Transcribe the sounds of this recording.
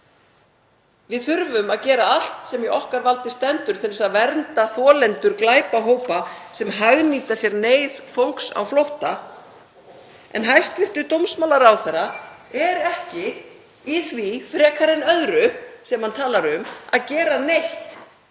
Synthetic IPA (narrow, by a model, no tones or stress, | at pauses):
vɪðθʏɾvʏmaðcɛːɾaal̥t̪sɛmjɛʔɔhkaɾvalt̪ɪst̪ɛnt̪ʏɾ̥t̪ʰɪɾlɪsaðvɛɾnt̪aθɔːlɛnt̪ʏɾklaːjpaɦoːwpasɛmɦaɣniːt̪asjɛɾneːjðfowŋksa̰wflowht̪a | ɛ̰nɦajst̪vɪr̥t̪ʏt̪owmsmaːlaɾawθɛrːaɛɾɛhcɪ | iθvifɾɛːkʰaɾɪnœðɾʏsɛmhant̪ʰaːlaɾʏmaðcɛːɾanejht̪